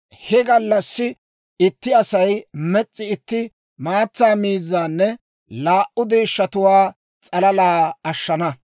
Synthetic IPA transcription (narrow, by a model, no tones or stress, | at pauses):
hɛɡɐlːɐsːɪ | ɪt̪ːɪɐsɐjmɛt͡sʼːɪɪt̪ːɪ | maːt͡sːaːmiːzːaːnːɛ | laːʔʊd̪eːʃːɐt̪ʊwaː | t͡sʼɐlɐlaːɐʃːɐnɐ